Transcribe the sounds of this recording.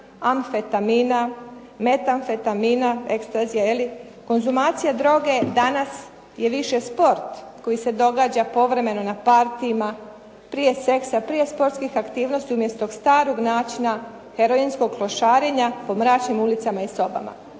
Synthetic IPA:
amfet̪amina | me̞t̪anfet̪aminae̞kst̪azijaeli | ko̞nzumaːt̪sijad̪ɾo̞ɡe̞d̪anas | je̞ʋiʃespo̞ɾt̪ko̞jise̞d̪o̞ɡaːd͡ʑapo̞ʋɾe̞me̞no̞napaɾt̪iima | pɾije̞se̞ksapɾije̞spo̞ɾt̪skixakt̪iːʋno̞st̪iumje̞st̪oɡst̪aːɾo̞ɡnaːt͡ʃina | heɾo̞insko̞ɡkloʃaːɾeɲapo̞mɾaːt͡ɕnimulit̪samaiso̞ba̰ma̰

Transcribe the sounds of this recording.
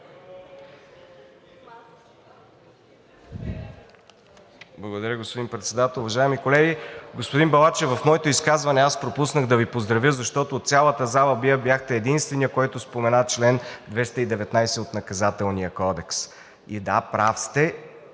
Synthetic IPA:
blˠɐɡod̪ɐɾʲjəɡospod̪inpɾɛt̪sɛd̪at̪əlˠʊvɐʒaɛmikolɛɡʲiɡospʊd̪inbɐlˠat͡ʃɛvɐfmɔɛt̪oiskazvɐnɛaspɾopusnəɣd̪ɐvipozd̪ɾɐvjəzɐʃt̪ɔt̪oːt̪sʲjalˠət̪əzalˠəbiəbʲjaxt̪ɛːd̪inst̪vɛnijəkɔjt̪ospomɛnat͡ʃlɛnd̪vɛst̪əid̪ɛvɛt̪najsɛot̪nɐkɐzat̪ɛlˠnijəkɔd̪ɛks | id̪apɾafst̪ɛ

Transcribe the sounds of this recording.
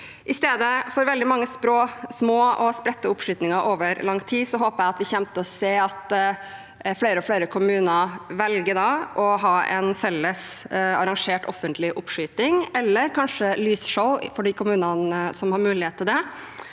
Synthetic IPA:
ʔɪst̪eːd̪əfɔɾʋɛld̪ɪmɑŋːəspɾoːsmoːɔspɾɛt̪ːəʊpʂyːt̪nɪŋɑʔoːʋəɾlɑŋːt̪ʰiːsɔɦoːpəɾæɪɑt̪ʋɪçɛmt̪əɔseːɑt̪ | fleːɾəɔfleːɾəkʰʊmʉːnəɾʋɛlɡəɖɑʔɔɦɑːɛ̰nfɛlːəsɑɾɑŋʂeːʈɔfənt̪ʰlɪʔʊpʂyːt̪nɪŋɛlːəɾkʰɑnʂəlyːsʂəʊfɔɖiːkʰʊmʉːnɑnəsɔmhɑɾmʉːlɪheːt̪ʰːɪld̪ɛ

